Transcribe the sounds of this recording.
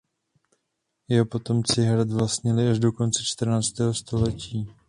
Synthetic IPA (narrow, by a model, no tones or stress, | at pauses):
jɛɦopo̞t̪o̞mt͡sɪɦɾad̪vlast̪ɲɪlɪaʒdo̞ko̞nt͡sɛt͡ʃt̪r̩naːt͡st̪ɛːɦo̞st̪o̞lɛciː